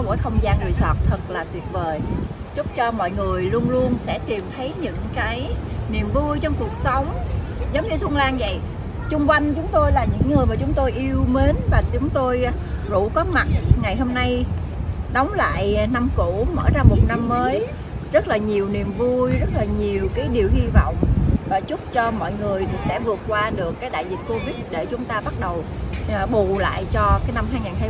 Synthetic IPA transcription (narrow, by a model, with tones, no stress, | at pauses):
mo̰˧˩jxə˧wŋ͡mzaː˧nvḭ˨˩swɔ̰ː˨˩t̚t̪ʰə˨˩k̚laː˨˩t̪wi˨˩ət̚vəː˨˩j | zʊ˦˥k͡p̚t͡ɕɔ˧mɔ̰˧˨jŋɨ˨˩əjlu˧ənlu˧ənsɛ̰˧˥t̪i˨˩mt̪ʰə˨˦jɲɨ̰˧˥ŋkaː˨˦jni˨˩əmvu˧jt͡ɕɔ˧wŋ͡mku˨˩ək̚sə˨˦wŋ͡m | zə˨˦wŋ͡mɲɨ˧sʊ˧ŋlaː˧nvə̰˧˨j | t͡ɕʊ˧ŋ͡mkwa˧jŋ̟t͡ɕʊ˨˦ŋ͡mt̪o˧jlaː˨˩ɲɨ̰˧˥ŋːɨ˨˩əjmaː˨˩t͡ɕʊ˨˦ŋ͡mt̪o˧jʔi˧əwme˨˦nvaː˨˩t͡ɕʊ˨˦ŋ͡mt̪o˧j | zṵ˧˩kɔ˨˦ma˨˩t̚ŋa˨˩jɦo˧mna˧j | ɗɔ˨˦wŋ͡mla̰ː˧˨jna˧mku˧˩mə̰ː˧˩zaː˧mo˨˩t̚na˧mːəː˨˦j | zə˦˥t̚laː˨˩ɲi˨˩əwni˨˩əmvu˧jzə˦˥t̚laː˨˩ɲi˨˩əwkaː˨˦jɗi˨˩əwhi˧vɔ̰˧˨wŋ͡mvaː˨˩t͡ɕʊ˦˥t̚t͡ɕɔ˧mɔ̰˧˨jŋɨ˨˩əjsɛ̰˧˥vɨ˨˩ət̚kwaː˧ɗɨ˨˩əkːaː˨˦jɗa̰ː˧˨jzi˨˩t̚ko˧vi˦˥t̚ɗe˧˩t͡ɕʊ˨˦ŋ͡mt̪aː˧ɓa˦˥t̚ɗə˨˩wɓu˨˩la̰ː˧˨jt͡ɕɔ˧kaː˨˦jna˧mhaː˧jŋaː˨˩nɦa˧